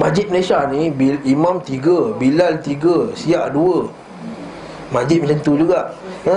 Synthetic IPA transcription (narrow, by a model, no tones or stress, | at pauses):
mad͡ʒɪt̪̚məlesanĩbiimãmt̪iɡəbilalt̪iɡəsiaʔduə | mad͡ʒɪt̪̚mələnt̪ud͡ʒuɡaʔ